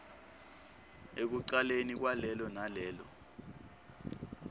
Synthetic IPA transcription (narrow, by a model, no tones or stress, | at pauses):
ek̬uǃalenik̬walɛlɔnalɛːlɔ̰